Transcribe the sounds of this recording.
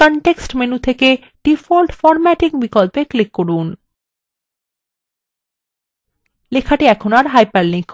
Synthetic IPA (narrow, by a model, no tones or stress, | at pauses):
ɔɳʈeksʈmenut̪ʰeke | ɖ̥ifolʈfɔɾmɛʈikbikolpeklikːoɾun | lekʰaʈiɛkʰonaɾɦajpalliŋk